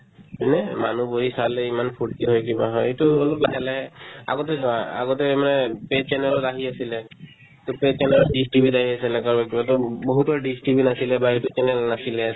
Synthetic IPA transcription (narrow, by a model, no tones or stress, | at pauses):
pinɛmanuboɦisalɛimanpʰuʈ̚kiɦɔjkibaɦɔjetuolɔplaɡalaɦɛa̰ɡɔtɛzɔaa̰ɡɔtɛmanɛpet͡ʃɛnɛlɔtaɦiasilɛ | tʊpet͡ʃɛnɛlɔɖistibitaɦiasilɛkaɹbakibatɔboɦutɔɖistibinasilɛbaetut͡ʃɛnɛlnasilɛ